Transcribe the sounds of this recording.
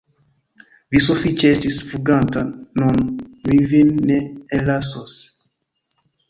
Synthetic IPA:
visofit͡ʃestisfuɡantanonwivinːeelasos

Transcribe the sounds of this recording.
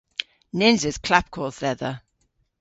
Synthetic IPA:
nɪnzɪz̥kʰl̥ap̚kʰɔːθɛðə

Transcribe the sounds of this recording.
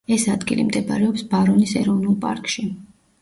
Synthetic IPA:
ɛsad̪ɡḭlḭmd̪ɛba̰ɾɛɔpsbaɾɔnisɛɾɔvnulˠpʼa̰ɾkʼʃi

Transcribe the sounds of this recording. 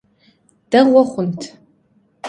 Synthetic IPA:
d̥ɐʁʷɔχʷʊntʰ

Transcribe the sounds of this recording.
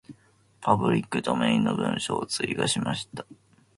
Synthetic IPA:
pʰabɯ̟ɾʲikːɯ̟d̪ome̞ĩnːobɯ̟̃ɰ̃ɕoːt͡sɨiɡaɕimaɕi̥t̪ḁ

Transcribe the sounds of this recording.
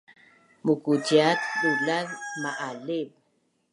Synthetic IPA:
mukut͡ʃjat̪ɗulaɾmaʔaleɓ

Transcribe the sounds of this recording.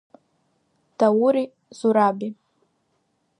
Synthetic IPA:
d̥awuɾi | zuɾabi

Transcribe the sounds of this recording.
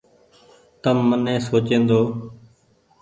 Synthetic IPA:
t̪əmːənẽːsoːt͡ʃẽːnd̪oː

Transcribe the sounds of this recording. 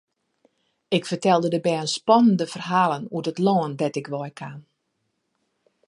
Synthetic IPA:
ɪkfərtɛlˠdədəbɛənspɔnəndəfərɦaːlˠənuətətlɔːəndɛtɪkʋɔjkʰan

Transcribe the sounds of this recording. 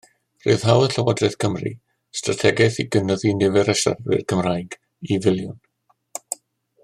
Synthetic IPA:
ro̰ð̥ɦawəɬəwadrɛθkʰəmrḭ | stratʰɛɡɛθiɡənɔðinɪvɛɾɛʃa̰rɨ̰rkʰəmrajɡ | ivɪlˠjʊn

